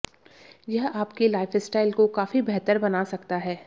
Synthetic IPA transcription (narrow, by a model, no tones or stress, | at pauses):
jɐɦaːpkelaːɪfɪsʈaːɪlkokaːfibɛɦt̪əɾbɐnasɐkt̪aɦɛː